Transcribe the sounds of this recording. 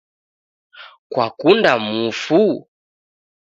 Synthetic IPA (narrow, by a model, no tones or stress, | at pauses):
kwakundamufu